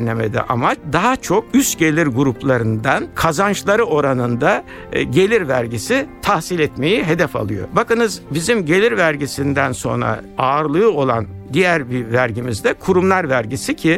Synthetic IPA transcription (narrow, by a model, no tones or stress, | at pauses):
nnʲemed̪ḭʔa̰mat͡ʃd̪aɦat͡ʃʰo̞kyst̪ɟe̞lʲiɾɡuɾuplˠaɾɯnd̪ankʰazant͡ʃlˠaɾɯo̞ɾanɯnd̪a | ɟe̞lʲiɾvæɾɟisit̪ʰahsilʲɛt̪me̞jiɦe̞d̪ɛfa̰lˠɯjo̞̰bakɯnɯzbizimɟe̞lʲiɾvæɾɟisind̪ænso̞nɾa̰aːɾlˠɯjuo̞lˠa̰nd̪ijæɾbivæɾɟimizd̪ɛkʰuɾumlˠaɾvæɾɟisicʰi